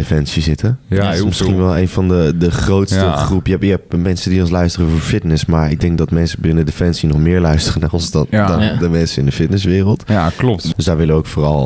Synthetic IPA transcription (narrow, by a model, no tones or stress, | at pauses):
defɛnsizɪtəɪsmɪsχinʋɛlˠejnfɑndədəχrowtstəχrupjəɛɪkɦɛp̚mɛnsədiɔnslœɥstərəfoːɹfɪtnɪsmaːɹɪɡ̚dɛŋk̚dɔtmɛnsəbɪnədefɛnsinɔχmɪːɹlœɥstərənarɔnsdɔndɔndəmɛnsənɪndəfɪtnɪsʋɪːrəlˠtld̥øsdaːɹʋɪləoʊkfoːrɑlˠ